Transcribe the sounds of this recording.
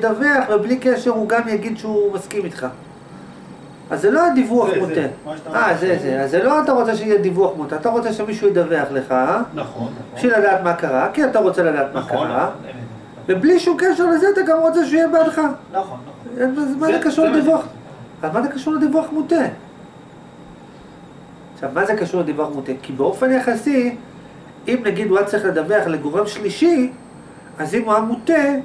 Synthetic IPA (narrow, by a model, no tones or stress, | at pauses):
d̪aveaχveblikeʃeʁuɡamjaɡid̪ʃeumaskimit̪χa | azːelo̞ad̪ivuaχmot̪e̞ʔazezeazːelo̞at̪aʁo̞t͡seʃeijed̪ivuaχmut̪eat̪aʁo̞t͡se̞ʃemiʃujed̪ave̞aχleχa | ʃilad̪aːt̪makaʁakiat̪aʁo̞t͡selad̪aːt̪maka̰ʁa̰ | vebliʃumkeʃeʁlezeat̪aɡamʁo̞t͡seʃeuijebad̪χa | mazmazekaʃuʁled̪ivuaχ | avalmazekaʃuʁled̪ivuaχmute | ʃavmazekaʃuʁled̪ivuaχmut̪e̞kibeo̞fe̞njaχasi | imnaɡid̪uat͡saʁiχle̞d̪abeaχle̞ɡoʁamʃliʃi | azimuamut̪e